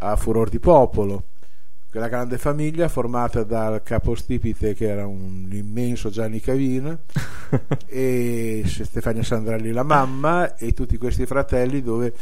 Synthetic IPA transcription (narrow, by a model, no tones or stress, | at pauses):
afuɾoɾd̪ipɔːpolo | kelaɡɾand̪efamiʎːaformaːt̪ad̪a | kaːpost̪ipit̪ek̟eɛːɾaun | imːɛnsod͡ʒanːikaviːna | e | sst̪efanasand̪ɾalilamamːa | et̪ːut̪ːikwest̪ifɾat̪ɛlːid̪oːve